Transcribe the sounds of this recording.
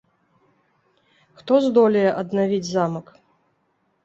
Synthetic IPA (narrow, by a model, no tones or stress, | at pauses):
xt̪ɔzd̪ɔlʲɐjɛʔɐd̪navʲid͡zʲzamɐk